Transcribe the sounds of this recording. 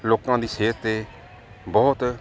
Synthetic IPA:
loːkãːd̪iːseːt̪eː | bɔːt̪

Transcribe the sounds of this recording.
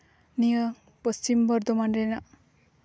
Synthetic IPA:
nijʌ | pʌst͡ʃimbʌɾd̪omanrena

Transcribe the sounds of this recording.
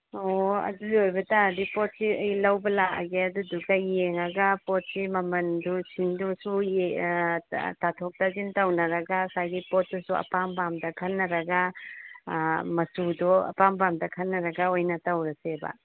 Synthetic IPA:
oɐ̰dulojbɐtadipɔt̚siɐjlɐwbɐlaʔa̰ɡeɐduduɡɐjeŋɐɡɐpɔt̚simɐmɐndusindusuj | tatʰɔk̚tazintɐwnɐɾɐɡasajɡipɔt̚dɔsuɐ̰pambamdɐkʰɐnːɐɾɐɡa | mɐsudɔɐ̰pambamdɐkʰɐnːɐɾɐɡaojnɐtɐwɾɐsebɐ̰

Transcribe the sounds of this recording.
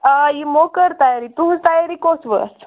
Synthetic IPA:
ajimokəɾt̪ajaɾit̪uɦũst̪ajaɾikosʋə̰t͡s

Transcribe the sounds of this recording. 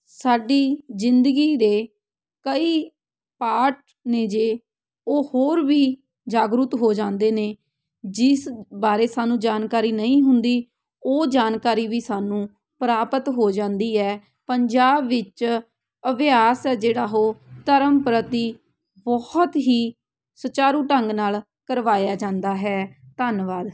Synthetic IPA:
saːɖiːzɪnd̪əɡiːɾeː | kəiː | paːɾʈ̚ | nẽːd͡ʒeː | oːhoːɾʋiː | d͡ʒaːɡɾʊt̪ɦoːd͡ʒãːnd̪eːneː | d͡ʒɪsbaːɾeːsaːnũːd͡ʒaːnkaːɾiːnəĩːɦʊnd̪iː | oːd͡ʒaːnkaːɾiːʋiːsaːnũː | pəɾaːpət̪ɦoːd͡ʒãːnd̪iːɦɛː | pəɲd͡ʒaːbːɪt͡ʃ | əʋjaːsɛːd͡ʒeːɽaːɦoːt̪əɾəmpɾət̪iː | bɔht̪ɦiː | sət͡ʃaːɾuːʈəŋɡnaːl | kəɾʋaːjaːd͡ʒãːnd̪aːɦɛːt̪ənʋaːd̪

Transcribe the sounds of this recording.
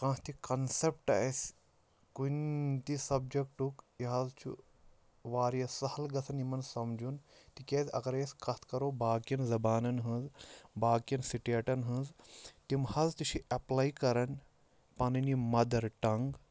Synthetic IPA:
kãːst̪ikɐnsep̚ʈɐ̰esʲ | kunt̪isɐb̚d͡ʒek̚ʈukiɦɐzt͡ʃʰṵ | ʋaːɾjɐsɐhɐlɡɐt͡s̪ʰɐnimɐnsɐmd͡ʒunt̪ikʲeːzʲɐ̰ɡɐɾjeskʰɐt̪ʰkɐɾoːbaːkjɐnzɐbaːnɐnɦɨ̃zbaːkijɐnsiʈeʈɐnɦɨ̃zt̪imhɐzt̪it͡ʃʰiʔɐplaːjkɐɾɐn | pɐnɐnimɐd̪ɐɾʈɐŋɡ

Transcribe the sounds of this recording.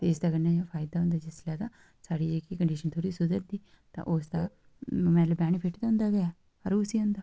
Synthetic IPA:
t̪eːɪsd̪aːkənːepʰaːɪd̪aːɦʊ̃nd̪aːd͡ʒɪslaːd̪aː | saːɽiːd͡ʒeːkikəɳɖiːʃənt̪ʰoːɾiːsʊd̪əɾd̪iː | t̪ã̰ʔoːsd̪aː | mɛ̃ːləbaːɽ̃ipʰɪʈʰt̪aʊ̃nd̪aːɡəaː | əɾusiːʊ̃nd̪aː

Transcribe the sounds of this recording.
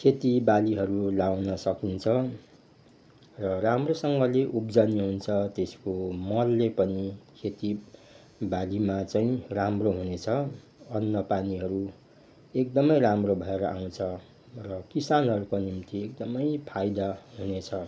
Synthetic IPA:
kʰet̪ibaliɦʌɾulawnʌsʌkint͡sʰʌ | rʌramrosʌŋɡʌleʔupd͡zʌniɦunt͡sʰʌt̪eskomʌlːepʌnikʰet̪i | balimat͡saĩramroɦunet͡sʰʌ | ʌnːʌpaniɦʌɾu | ek̚d̪ʌmʌjramrobʱʌeɾʌʔaw̃t͡sʰʌ | rʌkisanɦʌɾukonimt̪iek̚d̪ʌmʌjpʰajd̪aɦunet͡sʰʌ

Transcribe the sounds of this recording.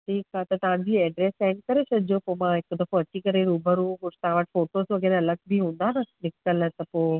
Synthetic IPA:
ʈʰiːkat̪ɐt̪ɐʋãd͡ʑiːɛːɖɾeːsɛ̃ɪɳɖ̚kɐɾesʰɐd̪ʱɪd͡ʑopomãɦɪkd̪ɐkoɐt͡ɕikɐɾeɾuːbʱəɾũkʊ̥t̪ɐɦãʋəʈɪ̥foːʈoːsʋɐɡeːɾeɐləɡ̚bʱiɦũːnd̪anɐnɪkəlt̪ɐpoː

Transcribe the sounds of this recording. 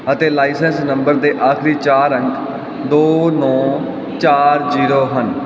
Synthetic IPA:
ət̪eːlaːisɛːnsnəmbəɾd̪eːʔaːkʰɾiːt͡ʃaːɾəŋk | d̪oːnɔ̃ː | t͡ʃaːɾd͡ʒiːɾoːɦən

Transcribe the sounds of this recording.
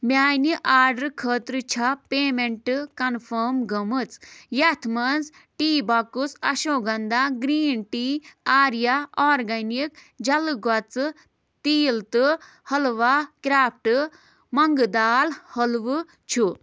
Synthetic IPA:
mʲaːniʔaːɾɖɐɾkʰəːt̪ɾɨt͡ʃʰapeːmeɳʈɨkɐnfʰəːmɡɐmɨt͡sjɐt̪ʰmɐnz | ʈiːbɐkusɐ̰ʃoːɡɐnd̪aɡɾiːnʈiːaːɾjaɔːɾɡɐnik | d͡ʒɐlɨɡɐt͡sɨ | t̪iːlt̪ɨ | hɐlʋakɾaːp̚ʰʈɨ | mɐŋɡɨd̪aːlhɐlʋɨ | t͡ʃʰu

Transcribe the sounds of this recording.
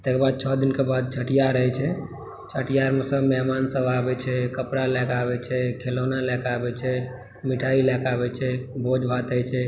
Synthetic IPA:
t̪ekebad̪̚t͡ʃʰɔd̪inkebad̪̚t͡ʃʰəʈijaɾəɦɛt͡ʃʰɛ | t͡ʃʰəʈijaɾmesəbmɛɦmansə̃babɛt͡ʃʰɛkəpɾalɛkabɛt͡ʃʰɛkʰelonalɛkabɛt͡ʃʰɛ | miʈʰailɛkabɛt͡ʃʰɛbod͡ʒbʱat̪ət͡ʃʰɛ

